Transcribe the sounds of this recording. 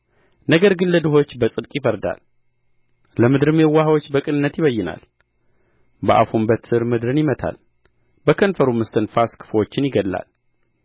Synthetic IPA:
nəɡəɾɡɨnləd̪ɨɦo̞t͡ʃːbəsʼɨd̪kʼjɪfəɾd̪a̰l | ləmɨd̪ɾɨmewːahawo̞t͡ʃːbəkʼɨnɨnːət̪jɪβəjːɪna̰l | bəʔa̰fumbət̪ːɨɾmɨd̪ɾɨnjɪmət̪ʰa̰l | bəkʰənfəɾumɨst̪ʰɨnfaskʰɨ̥fwo̞t͡ʃːɪnjɪɡəlːa̰l

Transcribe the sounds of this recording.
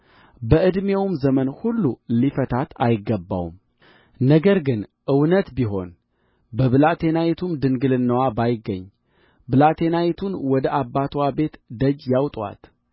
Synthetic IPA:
bəʔɨd̪mewmzəmənhulːulifət̪ʰat̪ʰajɪɡːəbːa̰wṵm | nəɡəɾɡɨnʔɨwnət̪biɦo̞̰n | bəβɨlat̪ʰe̞nawit̪ʰumd̪ɨŋɡɨlɨnːəwabajɪɡːəɲː | bɨlat̪ʰe̞nawit̪ʰunwɔd̪əʔabːat̪ʰwabe̞t̪d̪əd͡ʒjawt̪ʼwa̰t̪

